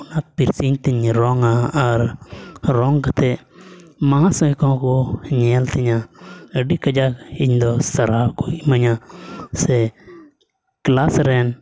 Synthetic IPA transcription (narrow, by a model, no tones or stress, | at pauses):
unaːt̪̚piɾsiɲt̪iɲɾɔːŋaaɾ | ɾɔːŋkɐt̪ʰe | mããsõikɔ̃ːkoɲeːlt̪ʰiɲaəɖikɐd͡ʒaiɲd̪ɔsɐɾaːkoiməɲãse | klaːsɾeːn